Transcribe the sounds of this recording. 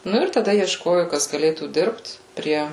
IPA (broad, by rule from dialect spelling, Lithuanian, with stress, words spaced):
ˈnʊ ɪr tɐˈdɐ iɛʃˈkoːjʊ ˈkɐs ɡɐˈlʲeːtuː ˈdʲɪrpt ˈpʲrʲiɛ